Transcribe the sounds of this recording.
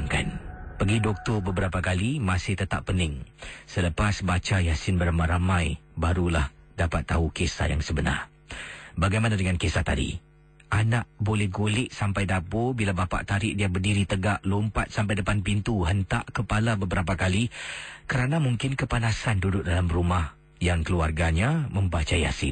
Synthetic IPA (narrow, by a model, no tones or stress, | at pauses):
ŋka̰npəɡidɔk̚t̪ɔrbəbəɾapakalimasɪht̪ət̪a̰ppːənɪŋsələpasbat͡ʃajasɪnbəɾamãɾamãjbaɾulah | dapat̪ːaukesa̰jaŋsəbəna̰r | baɡajmanadəŋankesat̪a̰dḭ | ʔanaʔbolɛhɡolɪʔsampajdapobilabapa̰ʔt̪aɾɪʔdiabərdiɾit̪əɡaʔlompat̪̚sampajdəpanpint̪uɦənt̪aʔkəpalabəbəɾap̬akalikəɾanamuŋkɪnkəpanasandudʊʔ̚dalamrumah | jaŋkəluarɡaɲamə̃mbat͡ʃaja̰sɪ̰n